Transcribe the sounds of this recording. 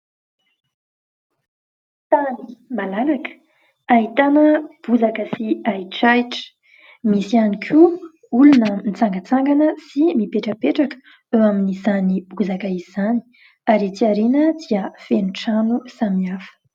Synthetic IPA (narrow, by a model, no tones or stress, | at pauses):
t̪animalalakə̥ | aɦit̪anəb̥uzakəsiaiʈ͡ʂajʈ͡ʂə̥ | misianikʰu | ulunənit͡saŋɡət͡saŋɡanəsimipeʈ͡ʂəpeʈ͡ʂakə̥ | ewaminizanib̥uzakəiz̥ani̥ | aɾit͡s̪iaɾenəd̪iəfenuʈ͡ʂanusamiafə̥